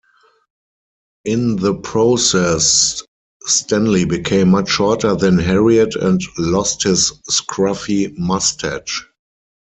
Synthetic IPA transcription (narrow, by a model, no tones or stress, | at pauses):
ʔɪ̃nðəpʰɹoʊsɛsː | tæ̃nlibikʰẽɪ̃mːat͡ʃʃɔɹtə˞ðɛ̃nɦɛɹiətɛ̰̃ntlɔsthɪsskʰɹafimastʰæt͡ʃ